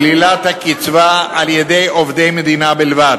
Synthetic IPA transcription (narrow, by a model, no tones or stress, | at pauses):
lilat̪hakit͡svaaljed̪e̞jovd̪ejmed̪inabilvad